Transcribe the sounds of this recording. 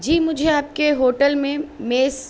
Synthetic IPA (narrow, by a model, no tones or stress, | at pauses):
d͡ʒiːmʊd͡ʒʱeaːp̚keɦoːʈəlmẽmeːs